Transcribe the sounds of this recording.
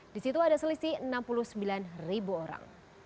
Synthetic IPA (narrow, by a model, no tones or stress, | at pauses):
d̥isit̪uadasəlisiənampuluhsəmbilanribuoɾa̰ŋ